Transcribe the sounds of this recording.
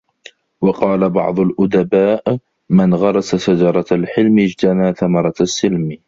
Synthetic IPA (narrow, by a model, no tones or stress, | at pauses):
wɑqɑːlabɑ̰ʕd̪ˤʊlʔʊd̪abaːʔ | mɪnɣɑɾˤɑsasad͡ʒɑɾˤɑalħɪlmɪd͡ʒt̪anaːθamɑɾˤɑsːɪlm